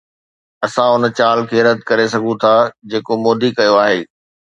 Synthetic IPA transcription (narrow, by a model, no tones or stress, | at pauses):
ɐsãʊn̆t͡ɕaːlkʰeːɾɐd̪ʱkɐɾesɐɡʱũt̪ʰad͡ʑeːkomoːd̪ikɐjoaːɦeː